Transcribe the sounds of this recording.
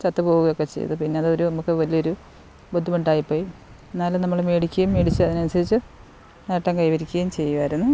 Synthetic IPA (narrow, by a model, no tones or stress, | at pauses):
t͡ɕɐt̪ːɨpo̞ːɣuɣɐjokːe̞t͡ɕejɐ̰ðɨpinːe̞ɐðɨoɾunɐmukːɨʋɐlijo̞ɾu | bod̪ʱːiɐmuɳɖaːjipːo̞ːji | enːaːlenɐmːɐɭmeːɽikʲːɣɐjumːeːɽit͡ɕːɨɐðinɐnusɐɾit͡ɕːɨ | nɐʈːɐŋkɐjʋɐɾikʲːuɣejmt͡ɕe̞jːuʋaːɾunːu